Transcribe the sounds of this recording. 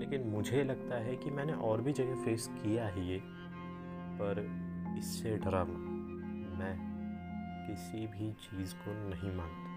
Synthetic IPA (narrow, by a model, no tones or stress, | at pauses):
leːkɪnmʊd͡ʒʱelɐɡ̚t̪aɦɛkimɛ̃ːneʔɔːɾbʱid͡ʒɐɡefeːskijaɦɛje | pɐɾɪsːeɖɐɾamaː | mɛ̃ː | kɪsibʱit͡ʃiːzkonɐɦĩmãːŋt̪ḁ